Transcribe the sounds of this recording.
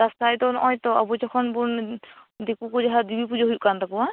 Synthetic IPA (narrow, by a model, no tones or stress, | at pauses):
dastajtɔnɔjtɔa̰buzɔkʰɔnbundekukozaɦadibipuzɔɦujʔkantakuwa